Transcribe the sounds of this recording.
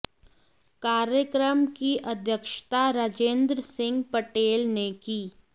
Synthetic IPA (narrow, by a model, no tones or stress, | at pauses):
kaːɾjəkɾəmkiʔɐd̪ʱjəkʃt̪aɾaːd͡ʒẽːnd̪ɾəsɪ̃ŋɡpəʈeːlnekiː